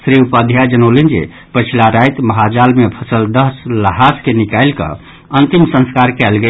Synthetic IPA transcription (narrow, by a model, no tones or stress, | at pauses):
sɾiupad̪ʱjad͡ʒənolind͡ʒḛ | pət͡ʃʰilaɾajt̪məɦad͡ʒalmepʰəsəld̪əɦsləɦaskenikajlkə̰ | ənt̪imsə̃nskaɾkɛlɡe